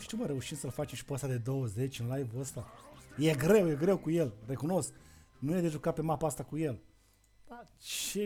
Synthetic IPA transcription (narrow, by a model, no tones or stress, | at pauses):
ʃt̪iuwməɾe̞uʃimsəlfat͡ʃe̞mʃi̥poəst̪ad̪e̞d̪o̞wəze̞t͡ʃʲɨnlajvuəst̪aje̞ɡɾe̞wje̞ɡɾe̞wkuje̞lre̞kuno̞sk | nujed̪eʒukape̞mapaast̪akuje̞l | d̪at͡ʃe